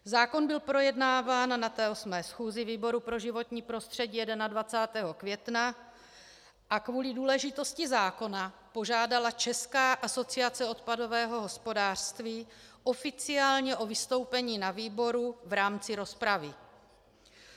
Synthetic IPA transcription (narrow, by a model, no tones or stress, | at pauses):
zaːko̞nbɪlpɾo̞jɛdnaːvaːnnat̪ɛːosmɛːsxuːzɪviːbo̞ɾupɾo̞ʒɪvo̞t̪ɲiːpɾo̞st̪r̥ɛɟiːjɛdɛnadvat͡saːt̪ɛːɦo̞kvjɛt̪na | ʔakvuːlɪduːlɛʒɪt̪o̞scɪzaːko̞na | po̞ʒaːdalat͡ʃɛskaːʔaso̞t͡siat͡sɛo̞t̪pado̞vɛːɦo̞ɦo̞spo̞daːr̥st̪viːʔo̞fɪt͡sɪaːlɲɛʔo̞vɪst̪o̞wpɛɲiːnaviːbo̞ɾuvɾaːmt͡sɪɾo̞spɾavɪ